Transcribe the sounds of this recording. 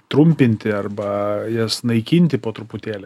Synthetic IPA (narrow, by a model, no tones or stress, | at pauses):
t̪ɾʊmʲpʲɪnʲt̪ʲɪɐrbɐjɛsnɐɪkʲinʲt̪ʲɪpoːt̪ɾʊpʊt̪ʲeːlʲɛ